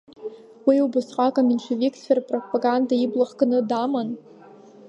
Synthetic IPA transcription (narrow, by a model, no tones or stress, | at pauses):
wilwbʊsqʼakʼaminʃʷʰeviksferpʼropʼaɡandaiblaχkʼanɨdaman